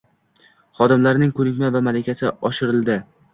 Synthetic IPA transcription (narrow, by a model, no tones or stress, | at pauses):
χɒd̪ɪmlaɾnɪŋkʰɵnɪkʲmavamalɪkʲʰasɪɒʃɪɾɪlˠd̪ɪ